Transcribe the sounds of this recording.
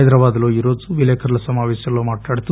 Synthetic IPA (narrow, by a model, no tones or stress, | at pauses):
jd̪ɾɐʋaːd̪ɐloːiːɾo̞ːd͡ʒuʋilɛːkʰɐɾɐlɐsɐmaːʋeːʂjɐlːoːmaːʈnaːɽit̪u